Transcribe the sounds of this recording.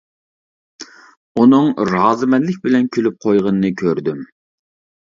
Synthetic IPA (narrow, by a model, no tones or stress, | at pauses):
unɨŋɾɑːzɨmɛnlɪk̚ʲbɪlɛnkʲʰølyp̚qʰojʁənːɨkʲʰøɾd̪ym